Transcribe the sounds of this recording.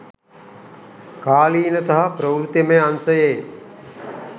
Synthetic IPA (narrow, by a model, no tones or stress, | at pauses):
kaːliːnɐt̪ɐɦapɾɐwɾut̪emeansɐjej